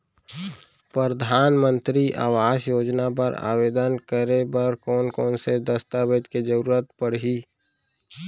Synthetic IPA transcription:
pɾəɾəd̪ʱaːnmə̃nt̪ɾiʔa̰ːʋaːsjoːd͡ʒnap̬ə̰ɾa̰ːbeːd̪ənkəɾebəɾkɔːnkɔːnsed̪əst̪abed̪ked͡ʒəɾuːɾət̪pəɾɦi

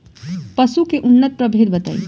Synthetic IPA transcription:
pəsukeʔunːət̪̚pɾəbʱeɾbət̪ə̰j

